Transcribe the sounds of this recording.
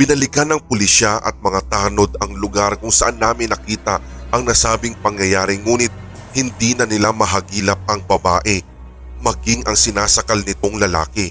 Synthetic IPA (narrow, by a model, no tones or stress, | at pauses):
b̥ɪnɐlɪɡɐnɐŋpʊlɪʃaʔɐ̰t̪̚mɐŋat̪aːno̞d̪ɐŋlʊɡaɾkʊŋsɐʔanːaːmɪnːɐkiːt̪ɐ | ʔɐŋnɐsaːbɪŋpɐŋjɐjaːɾɪŋuːnɪt̪̚ | hɪnd̪inɐnɪlamɐɦɐɡiːlɐp̚ɐŋbɐbaːʔɛ | mɐɡɪŋʔɐŋsɪnaːsɐkɐlnɪt̪o̞ŋlɐla̰ːkɛ